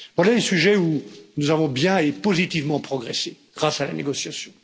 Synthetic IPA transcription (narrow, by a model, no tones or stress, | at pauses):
vwalalesyʒɛunuzavɔ̃bjɛ̃epozit̪ivmɑ̃pχɔɡʁɛseɡ̥ʁasala̰neɡɔsjasjɔ̃